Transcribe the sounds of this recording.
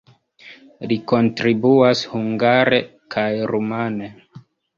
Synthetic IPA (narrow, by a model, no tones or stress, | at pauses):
liko̞ntɾibuashuŋɡaɾe | kʰajɾumane